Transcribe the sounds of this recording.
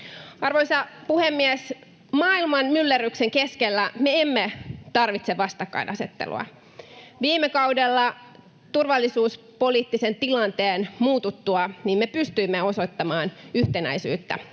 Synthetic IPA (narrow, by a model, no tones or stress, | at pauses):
ɑrʋoisɑpuhemːiæs | mɑːilmɑnmylːeɾykseŋkeskelːæmeemːet̪ɑrʋit̪seʋɑst̪ɑkːɑ̰inɑset̪ːḛlṵɑ̰ | ʋiːmekɑwdelːɑ | t̪urʋɑlːisuːs | po̞liːt̪ːisent̪ilɑnt̪eːnmuːt̪ut̪ːuɑniːmmepyst̪yimːeo̞so̞t̪ːɑmɑːnyht̪enæ̰jsy̰ːt̪ːæ̰